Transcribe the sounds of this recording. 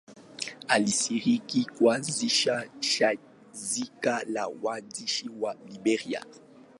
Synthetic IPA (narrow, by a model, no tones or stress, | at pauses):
alisiʁikikwaziʃaʃa | zikalawadiʃiwalibɛʁia̰